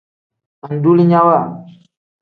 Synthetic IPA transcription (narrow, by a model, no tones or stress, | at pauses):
anduliɲawa